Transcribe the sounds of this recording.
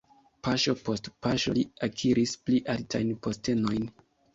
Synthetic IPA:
pʰaʃo̞po̞stpaʃo̰liakʰiɾispliʔaltajnpo̞ste̞no̞jn

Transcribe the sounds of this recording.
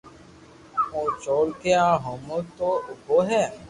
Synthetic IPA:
õːt͡ʃoːlkeːãːɦoːmoːt̪oːʊbʱoːɦɛ̃ː

